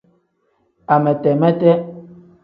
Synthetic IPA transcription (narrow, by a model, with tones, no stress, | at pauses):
a˨mɛ˨tɛ˨mɛ˦tɛ˦